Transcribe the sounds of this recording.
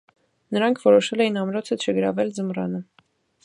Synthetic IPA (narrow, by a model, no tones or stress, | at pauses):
nəɾɑŋkʰvɔɾɔʃɛlɛjinɑmɾɔt͡sʰət͡ʃʰəɡəɾɑ̰vɛld͡zəmrɑ̰nə